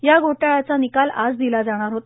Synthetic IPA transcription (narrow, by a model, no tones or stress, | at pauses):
jaɡoʈajat͡sanikalad͡zd̪ilad͡zaɽ̃aɾɦot̪